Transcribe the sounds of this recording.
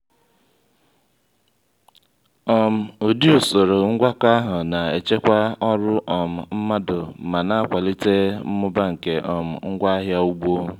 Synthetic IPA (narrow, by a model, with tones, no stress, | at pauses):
ɔ˨m̩˨o˨di˦o˨so˨ɾo˨ŋ̩˦ɡʷa˦ka˦ɦʊ˨na˨e˨t͡ʃe˦kʷa˦ɔ˦ɾʊ˦ʔɔ˨m̩˨m̩˦ma˦dʊ˨ma˨na˦a˦˨kʷa˨li˦te˦m̩˦mʊ˦ba˦ŋ̩˨ke˨ʔɔ˨m̩˨ŋ̩˦ɡʷa˦a˦ɦja˦u˦ɡ͡bo˦˨